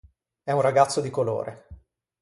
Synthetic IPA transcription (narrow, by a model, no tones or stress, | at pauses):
ɛunraɡat̪sːod̪ikolo̰ːɾʔḛ